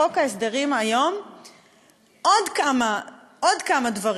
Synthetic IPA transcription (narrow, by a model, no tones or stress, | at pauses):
o̞kaesd̪eʁimajo̞m | ʔodkama | od̪kamadvaʁ